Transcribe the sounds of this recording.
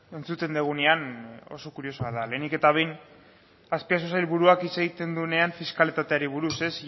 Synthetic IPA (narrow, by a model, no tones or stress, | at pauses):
e̞nt͡sut̪e̞nd̪eɣ̞uneano̞̰so̞kuɾio̞soaðale̞ːnike̞t̪aβ̞e̞jn | aspias̬usajlβuɾuakise̞ɣ̞it̪e̞nd̪ueneaɱfiskalit̪at̪e̞aɾiβ̞uɾuse̞s